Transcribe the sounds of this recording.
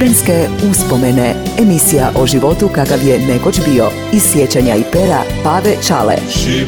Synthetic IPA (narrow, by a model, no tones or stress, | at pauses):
ɾenskeuspo̞meneemisijaʔoʒiʋo̞t̪ukakaʋjenekot͡ʃbio̞ | isjet͡ɕaɲaipeɾa̰paːʋet͡ʃa̰lḛ